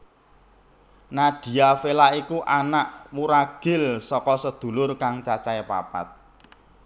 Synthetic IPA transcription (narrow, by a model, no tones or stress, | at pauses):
naɖ̪̥i̤afelaikuʔanaʔwuɾaɡ̥ɪ̤lsɔkɔsəd̪̥ṳlʊrkaŋt͡ʃat͡ʃaepa̰pa̰t̪̚